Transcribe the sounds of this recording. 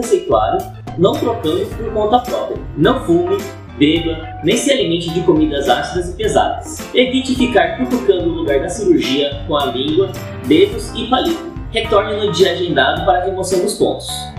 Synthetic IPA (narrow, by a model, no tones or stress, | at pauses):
esejt̪ua̰d̪ʊ | nɐ̃w̃t̪ɾokɐ̃mʊspoɾkõnt̪ɐapɾɔpɾiɐ | nɐ̃w̃fũmɪ | bed̪ɐ | nẽj̃sɪalimẽnt͡ʃʊd͡ʒɪkomid̪ɐzasid̪ɐzɪpeza̰d̪ɐs | evit͡ʃɪfikaɾkĩfokɐ̃nd̪ʊːluɡaɾd̪ɐsiɾuɾʒiɐkõɐlĩŋɡwɐ | bed̪ʊzɪfalit̪ʊ | het̪ɔɾnɐ̃ʊd͡ʒiɐaʒẽnd̪ad̪ʊpaɾɐɦemosɐ̃w̃d̪ʊspõ̰nt̪ʊ̥s